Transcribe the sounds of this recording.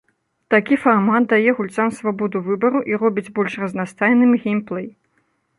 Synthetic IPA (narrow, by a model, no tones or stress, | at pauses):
t̪akʲifarmat̪̚d̪ajɛɣulʲt̪samsvabɔd̪uvɨbɐɾuʔirɔbʲid͡zʲbɔlʲʂrɐznast̪ajnɨmɣʲimplˠɛj